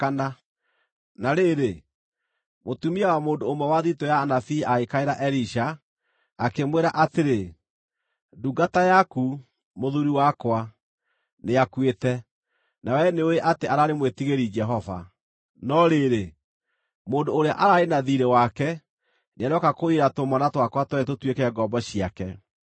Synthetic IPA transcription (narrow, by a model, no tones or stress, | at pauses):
kana | naɾeɾe | motumiawamoːndoomwɛwaðitojaːnafiaekaeɾaʔɛɾiʃaː | kemweɾaʔateɾe | duɡatajaku | moðuɾiwakwa | neakwetɛ | nawɛneoeʔateʔaɾaɾemwetiɣeɾid͡ʒɛɦɔva̰ | nɔɾeɾe | moːndoːɾeaʔaɾaenaðiɾewakɛ | neanɔkakoiɾatomanatwakwatwɛɛt̬otwekɛɡɔbɔɕiakɛ